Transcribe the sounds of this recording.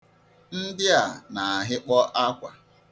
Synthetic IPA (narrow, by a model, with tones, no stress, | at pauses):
n̩˦dɪ˦a˨na˨a˨ɦɪ˦k͡pɔ˦ʔa˦kʷa˨